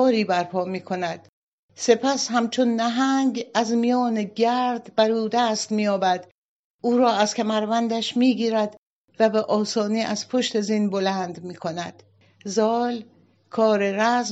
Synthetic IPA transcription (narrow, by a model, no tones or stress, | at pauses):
ɾiːbæɾpʰɒːmiːkʰo̞næd̪̥ | se̞pʰæshæmt͡ʃʰonːæɦæŋɡæzmijɒːneɟæɾd̪bæɾuːd̪æst̪miːjɒːbæd̪̥ | ʔuːɾɒːæz̥kʲʰæmæɾvænd̪æʃmiːɡiːɾæd̪ | væbeʔɒːsɒːniːʔæz̥pʰo̞ʃt̪ezinbolænd̪miːkʰo̞næd̪̥ | zɒːl | kʰɒːɾeɾæz